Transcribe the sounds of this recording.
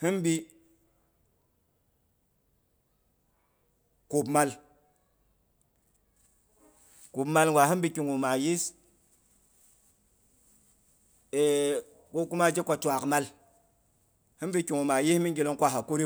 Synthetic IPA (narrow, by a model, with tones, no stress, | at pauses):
hi˦nbi˦ | ku˨bma˦l | ku˨bma˨lŋɡwa˨ɦi˦nbi˦ki˨ŋu˨ma˨ji˦s | e˨ | ko˦ku˦ma˦d͡ʒe˦ka˨ta˨kma˦l | hi˦mbi˦ki˨ŋu˨ma˨ji˦smi˦ŋ˦ɡi˨lo˦ŋkʷa˦ɦa˨ko˦ɾi˦